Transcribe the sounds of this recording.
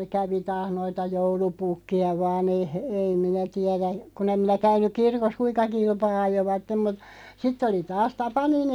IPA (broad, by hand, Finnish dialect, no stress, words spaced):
kæʋi tɑːh noitɑ joulupukːiɑ ʋɑːn ei he ei minæ tiɛræ kun em minæ kæynˑyk kirkos kuiŋ̆kɑ kilpɑː ɑjoʋɑtːem mut sitː oli tɑːs tɑpɑnin